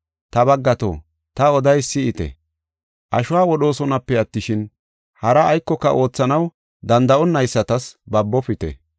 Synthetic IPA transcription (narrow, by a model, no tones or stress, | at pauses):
t̪ɐbɐɡːɐt̪o̰ː | t̪ɐɔd̪ɐjsɪɪt̪ɛ̰ | ʔɐʃʊwaːwɔɗo̞ːsɔnɐpːɛɐt̪ːɪʃɪn | hɐɾɐːjkːɔkːɐ̰ʔo̞ːt͡sːɐnɐw | d̪ɐnd̪ɐʔɔnːɐjsːɐt̪ɐsbɐbːɔpɪt̪ɛ̰